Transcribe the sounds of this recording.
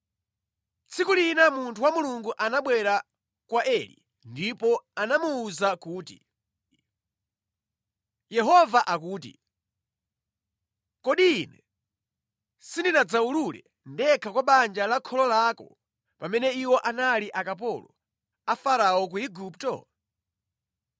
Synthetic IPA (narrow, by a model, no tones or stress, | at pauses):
t͡sʰikulinamuntʰuwamuluŋɡuʔanaɓwɛɾa | kwaʔɛlḭ | ndipɔanamuːzakuːtḭ | jɛɦɔvaʔakuːt̬ḭ | kɔɗiːnɛ | sindinad͡zaululɛ̰ | ndɛkʰakwaɓand͡ʒalakʰɔlɔlaːkɔ̰ | pamɛnɛiwɔʔanaliʔakap̬ɔlɔ | afaɾawɔk̬uiɡuptɔ̰